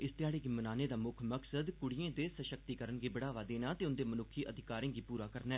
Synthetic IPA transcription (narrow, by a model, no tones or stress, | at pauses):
ɪst̪ɪjaːɽeːɡiːmənaːneːd̪aːmʊkʰməksəd̪kʊɽijẽːd̪eːsəʃək̚t̪iːkəɾənɡiːbəɽaːʋaːd̪eːnaːt̪eːʊnd̪eːmənʊkʰːiːʔəd̪ʱɪkaːɾẽːɡiːpuːɾaːkəɾnɛː